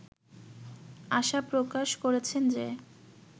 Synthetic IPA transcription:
aʃapɾokaʃkoɾet͡ɕʰend͡ʑe

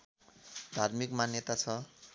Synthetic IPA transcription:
d̪ʱarmikmanjʌt̪at͡sʰʌ

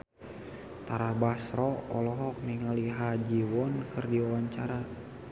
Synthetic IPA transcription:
t̪aɾabasɾɔɔlɔɦɔk̚niŋaliɦad͡ʒiwɔnkɨrdiɔwaɲt͡ʃaɾa

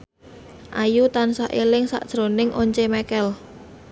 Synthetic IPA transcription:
ʔajut̪ansaʔelɪŋsa̰ʔd̥ʒ̥ɾonɪŋʔoɲt͡ʃemɛkɛl

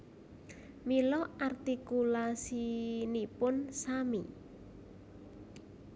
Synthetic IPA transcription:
milɔart̪ikulasinipʊnsamḭ

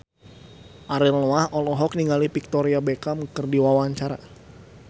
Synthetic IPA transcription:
ʔaɾilnɔahɔlɔɦɔk̚niŋalipik̚t̪ɔɾiabekaməkərdiwawaɲt͡ʃaɾa̰

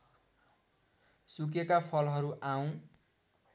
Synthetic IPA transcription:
suk̬ekapʰʌlɦʌɾuʔaw̃

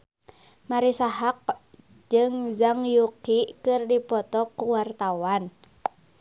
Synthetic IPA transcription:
maɾisaɦak̚ | d͡ʒɨŋzaŋjukikɨrdipɔt̪ɔkuwart̪awan

